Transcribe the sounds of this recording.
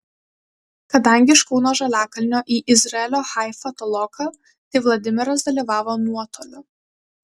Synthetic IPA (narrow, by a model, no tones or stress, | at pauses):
kɐd̪ɐŋʲɡʲɪʃkɔʊnoːʒɐlʲæːkɐlʲnʲoːʔiːʔɪzʲɾɐɛlʲoːxɑˑɪfɐt̪ɔlˠɔkɐ | t̪ɐɪʋlˠɐd̪ʲɪmʲɪɾɐs̬d̪ɐlʲiːʋɑːʋoːnuɔt̪oːlʲʊ